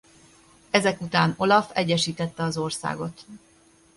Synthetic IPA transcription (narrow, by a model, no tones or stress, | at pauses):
ɛzɛkut̪aːno̞lɒfɛɟːɛʃiːt̪ɛt̪ːɛɒzo̞rsa̰ːɡo̞t̪